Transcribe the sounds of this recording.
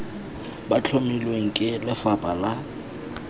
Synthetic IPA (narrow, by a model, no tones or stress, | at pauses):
bat͡ɬʰomilweŋ̩kʼɪlɪfapʼala